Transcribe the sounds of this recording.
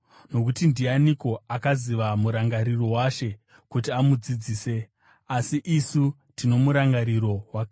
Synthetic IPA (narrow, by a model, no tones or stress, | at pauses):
no̞k̬utindianiko̞akaziʋamuɾaŋɡaɾiro̞waʃe̞ | kutiamud͡zid͡ziːse̞ | asiʔisu | tino̞muɾaŋɡaɾiɾo̞wakː